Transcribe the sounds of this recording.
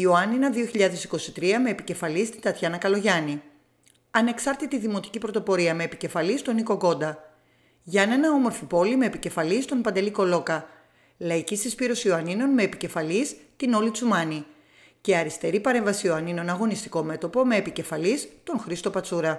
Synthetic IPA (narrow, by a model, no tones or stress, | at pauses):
ioɐninɐðioçiʎɐðe̞si̥ko̞sit̪ɾiɐme̞ːpice̞fɐlist̪ind̪ɐt̪çɐnɐkɐlo̞ʝɐni | ɐne̞ksɐɾt̪it̪iðimo̞t̪i̥cipɾo̞t̪opo̞ɾiɐme̞ːpice̞fɐlist̪o̞niko̞ɡo̞nd̪ɐ | ʝɐne̞nɐo̞mo̞ɾfipo̞lime̞ːpice̞fɐlist̪o̞npɐnd̪e̞liko̞lo̞kɐ | lɐicisispiɾo̞sioɐnino̞nme̞ːpice̞fɐlist̪ino̞lit͡sumɐni | ceɐɾist̪e̞ɾipɐɾe̞ɱvɐsioɐnino̞nɐɣo̞nist̪i̥ko̞me̞t̪o̞po̞me̞ːpice̞fɐlist̪o̞nxɾist̪o̞pɐt͡suɾɐ